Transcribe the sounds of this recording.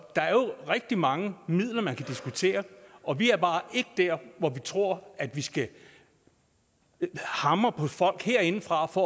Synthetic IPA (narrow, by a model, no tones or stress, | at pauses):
d̥ɑ̈æɐjo̝ʁɛɡ̥̚d̥imɑ̈ŋəmið̞̰ˠlɐmænkʰæd̥isɡ̥ut͡sʰe̝̰ːɐʔɒ̽ʋiæɐb̥ɑ̈ːʔe̝ɡ̥əd̥æɐ̰ʋɒʋit͡sʰʁo̝ɐ̰æd̥ʋisɡ̥æ | hɑ̈mʁɐpʰɒ̽fɒ̽l̰ɡ̥heɐ̰e̝nfʁɑ̈fɒ